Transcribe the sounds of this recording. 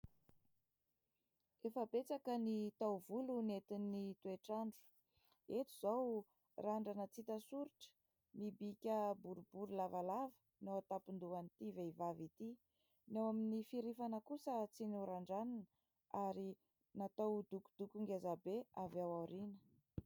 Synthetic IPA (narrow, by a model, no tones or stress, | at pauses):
efəbet͡sakənit̪awvulunet̪inːit̪ueʈ͡ʂaɳɖ͡ʐu̥ | et̪uz̥aw | raɳɖ͡ʐanət͡sit̪əsuɾiʈ͡ʂə̥ | mibikʲəbuɾubuɾulavalavə̥ | newat̪apind̪uanit̪iveivavit̪i | newaminifiɾifanəkusət͡sinuɾaɳɖ͡ʐananə | aɾi | nat̪awd̪uku̥d̪̥ukuŋɡezabeavawaɾinə